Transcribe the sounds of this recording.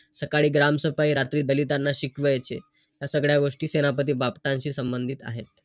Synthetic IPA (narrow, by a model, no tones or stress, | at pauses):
səkaɭiːɡɾamsəpaiɾat̪ɾiːd̪əlit̪anːaɕikʋəjt͡ɕḛ | j̪jasəɡɭjaʋoʂʈiːsenapət̪iːbapʈãɲɕiːsəmbənd̪ʱiːt̪a̰ɦḛt̪